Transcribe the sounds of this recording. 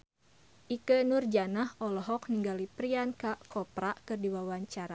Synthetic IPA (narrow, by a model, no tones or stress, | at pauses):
ʔikənurd͡ʒanahɔlɔɦɔk̚niŋɡalipɾiankakɔpɾaʔkɨrdiwawaɲt͡ʃaɾa